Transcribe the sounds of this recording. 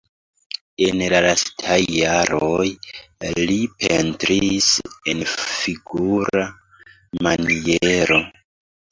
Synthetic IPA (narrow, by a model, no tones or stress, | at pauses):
e̞nlalastʰajːaɾoj | lipʰe̞ntɾise̞nfiɡuɾa | manieɾo̞